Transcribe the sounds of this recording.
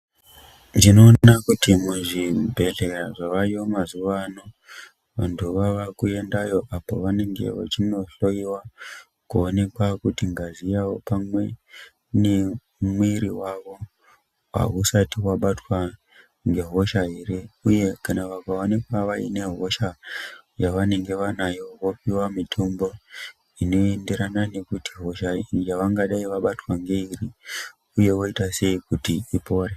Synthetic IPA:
ndino̞ːakutimuʐibʱe̞ɮe̞ɾaʐaʋaiomazuʋano̞ | ʋantʰuʋaʋakue̞ndajo̞ʔapo̞̰ʋane̞ŋɡe̞̰ʋa̰t͡ʃino̞ɬo̞jiwa | kuone̞kwakutiŋɡazijawo̞pamwe | ne | mwiɾiwaʋo̞ | wa̰ɦusatiwaɓatwa | ŋɡe̞ɦo̞ʃaɦe̞ɾe̞uje̞kanaʋakaonikwaʋaḭne̞ɦo̞ʃajaʋane̞ŋɡe̞ʋanajo̞ʋo̞piwamitʰo̞mbo̞ | ino̞endeɾanane̞kutiɦo̞ʃajaʋaŋɡaɗaiʋaɓatwaŋɡe̞iri | uje̞wo̞itase̞ikutiipo̞ːre

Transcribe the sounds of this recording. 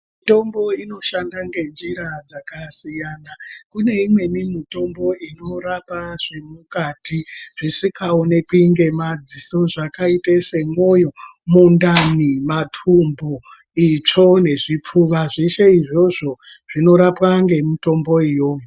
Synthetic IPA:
mito̞mbo̞ino̞ʃandaŋɡe̞nd͡ʒiɾad͡zakasijanakune̞imwe̞nimito̞mbo̞ino̞ɾapaʐe̞mukaːtiʐ̥isikaonekuiŋɡe̞mad͡ziso̞ʐakaitese̞mojo̞mundanimatʰumbo | it͡ʂo̞ne̞ʐip͡fuʋaʐe̞ʃe̞iʐo̞ʐo̞ | ʐ̥ino̞ɾapwaŋɡe̞mito̞mbo̞ijoːm

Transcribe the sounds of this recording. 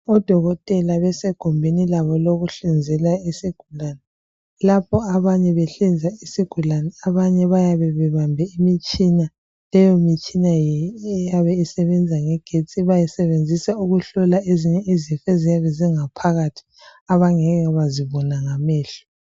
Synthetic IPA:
ɔd̥ʱɔɣɔtʼɛlaβɛsɛɡ̥ʱɔmbʱenilaβɔloɣuɬind͡zʱɛlaisiɡ̥ʱulanɛ | lapʰɔaβaɲɛβɛɬind͡zʱaisiɡ̥ʱulanɛaβaɲɛβajaβɛβɛβambʱɛimit͡ʃʼina | lɛjomit͡ʃʼinajaβɛisɛβɛnd͡zʱaŋɛɡ̥ʱet͡sʼiβajɛsɛβend͡zʱisauɣuɬɔlaʔeziɲɛizifɛzijaβɛziŋapʰaɣatʰi̥ | aβaŋɛɣaβaziβɔnaŋamɛːɬu̥

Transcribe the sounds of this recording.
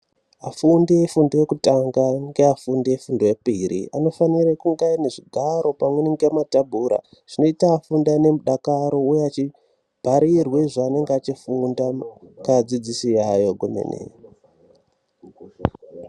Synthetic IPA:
afundijefundojekutaŋɡaŋɡeafundijefundoepiɾḭano̞faniɾekuŋɡaine̞ʐiɡʱaɾo̞pamwenŋɡematabʱuːɾa̰ | ʐ̥ino̞itaːfundane̞muɗakaɾo̞ujeat͡ʃi | bʱaɾirweʐaːne̞ŋɡeat͡ʃifundakad͡zid͡zisijajo̞ɡʱomḛnḛ

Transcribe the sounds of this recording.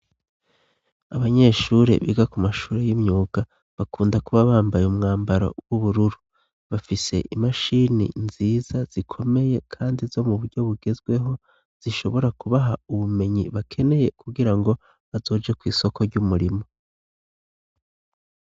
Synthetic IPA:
aβaɲe̞ːʃuɾe̞̰βḭɡakumaʃuːɾejimɲuːɡ̥a | βakuːndakuβaβaːmbajeumŋaːmbaɾa̰wuβuɾuɾu | βafise̞̰ʔimaʃinḭnziːz̥az̥ikʰo̞me̞je̞kʰaːndizo̞muβuɾɟo̞βuɡe̞zɡwe̞ɦo̞ | z̥iʃo̞βo̞ɾakuβaɦauβume̞ɲiβakʰe̞ne̞je̞kuɡiɾaŋɡo̞ | βazo̞ːd͡ʒakwiːso̞kʰo̞ɾɟumuɾimo̞

